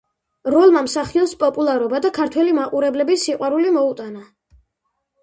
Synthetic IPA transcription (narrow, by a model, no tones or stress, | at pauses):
ɾɔlˠmamsaχiɔnspʼɔpʼulˠaɾɔbad̪akʰaɾt̪ʰwɛlimaqʼuɾɛblɛbisiqʼwaɾulimɔut̪ʼana